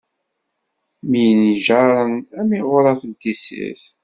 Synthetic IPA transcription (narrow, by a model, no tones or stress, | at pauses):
mijniʒaɾˤənæmiʁʊɾˤɑθənt̪isḭθ